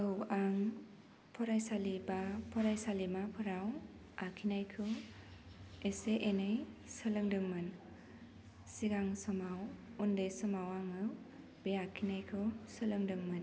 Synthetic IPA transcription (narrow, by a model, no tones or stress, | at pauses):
ɯwaŋ | pʰɔɾajsalibapʰɔɾajsalimapʰɯɾaw | akʰinajkʰɯw | eseʔenɯjsɯlɯŋdɯŋmɯn | siɡaŋsɔmawundesɔmawaŋɯw | b̥eakʰinajkʰɯwsɯlɯŋdɯŋmɯn